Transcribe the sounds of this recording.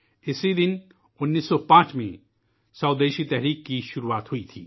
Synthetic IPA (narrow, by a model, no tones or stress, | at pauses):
ɪsid̪ɪn | ʊnːiːsːɔpãːt͡ʃmḛ̃ | sɐʊd̪eːʃit̪ɛɦɾiːkːiʃʊɾuaːt̪ɦʊit̪ʰḭː